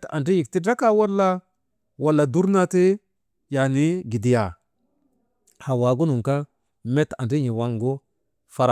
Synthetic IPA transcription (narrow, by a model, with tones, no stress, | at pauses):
ta̰˨ndi˦ji˨kti˦da˦ka˦wa˦lːa˦ | wa˨lːa˨du˦ɾna˦te˦ | ja˨ni˦ɡi˨di˨ja˨ | ha˨wa˨ɡu˦nu˨ŋka˦ | me˦ta̰˨ndi˦ɲi˨wa˦ŋɡo˦ | fa˦ɾ